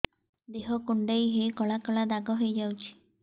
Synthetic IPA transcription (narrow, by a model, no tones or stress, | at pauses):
d̪eɦɔkuɳɖejɦejkɔɭakɔɭad̪aɡɔɦojd͡ʒawt͡ʃʰi̥